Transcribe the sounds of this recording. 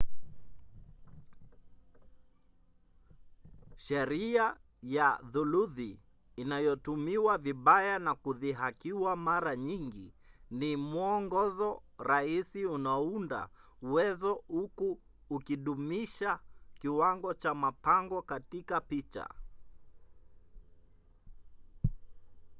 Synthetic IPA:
ʃɛɾia | jaðuluðiː | najɔtumiwaviɓajanakuðiɦakiwamaɾaɲiŋɡinimuɔŋɡɔzɔɾaisiunaunda̰ | uwɛzɔhukuː | kiɗumiʃakiwaŋɡɔt͡ʃamapaŋɡɔkatikapit͡ʃa̰

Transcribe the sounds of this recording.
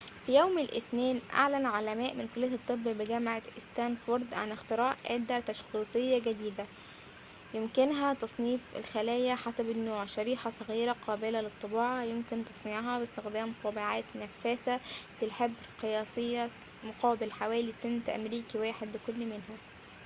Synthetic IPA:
fijowmelʔɪ̰θneːnʔa̰ʕlænʕalæmæːʔmɪnkolejæt̪ˤːɨbːbɪɡæmʕaʔɪst̪æːmfoɾˤd̪ʕa̰nɪxt̪eɾɑːʔʔæːd̪æt̪æʃxiːsˤejːæɡæd̪iːd̪æ | jemkɪnɦæt̪ɑsˤniːfḛlxælæːjæħasæbɪnːoːʕʃæɾiːħɑsˤɑɣiːɾæqʰɑːbelælɨt̪ˤːɨbɑːʕɑjomkɪnt̪ɑsˤneʕɦɑbɪst̪exd̪æːmt̪ˤɑbiʕaːt̪næfːæːθæt̪ɪlħeb | qejɑːsˤejːɑ | moqʰɑːbɪlħawæːlisent̪ʔæ̰mɾiːkiwæːħed̪lɪkolːmɪnɦæ

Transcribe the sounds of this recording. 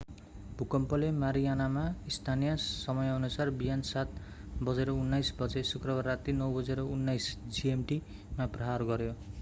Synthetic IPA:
bʱukʌmpʌlemaɾianamaist̪ʰanijʌsʌmʌjɦʌnusarbijansat̪ | bʌd͡zeɾʌunːajsbʌd͡zesukrʌbarːat̪inʌwbʌd͡zeɾʌunːajsd͡ziemʈi | maprʌɦarɡʌɾjo

